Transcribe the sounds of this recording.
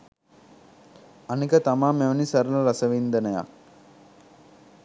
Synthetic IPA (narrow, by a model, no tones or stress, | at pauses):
ɐnikɐt̪amaːmːeʋɐnisɐɾəlɐɾɐsəʋind̪ɐnɐja̰k